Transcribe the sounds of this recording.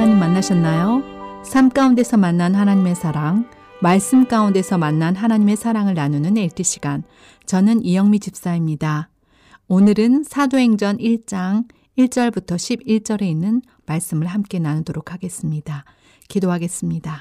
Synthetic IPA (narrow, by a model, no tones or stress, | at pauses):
aɲimːanːaɕʰʌnːajosʰamk͈aunde̞sʰʌmanːanhanaɲime̞sʰaɾaŋ | maɭs͈ɯmk͈aunde̞sʰʌmanːanɦanaɲime̞sʰaɾaŋɯɭnanunɯneɭtʰiɕ͈ʰi̥ɡ̥an | t͡ɕʌnɯnijʌŋmit͡ɕip̚s͈aimɲida | onɯɾɯnsʰadoɦe̞ŋd͡ʑʌniɭt͡ɕ͈aŋ | iɭt͡ɕ͈ʌɭbutʰʌɕʰibiɭt͡ɕ͈ʌɾe̞inːɯn | maɭs͈ɯmɯɭhamk͈e̞nanudoɾokʰaɡe̞s͈ɯmɲida | kidoɦaɡe̞s͈ɯmɲida